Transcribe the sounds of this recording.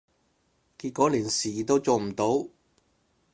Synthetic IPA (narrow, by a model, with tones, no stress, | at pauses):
ki˧t̚kɔː˨˥liː˨˩nsiː˨˩t̪o˥wt͡so˨wm̩˨˩t̪o˨˥w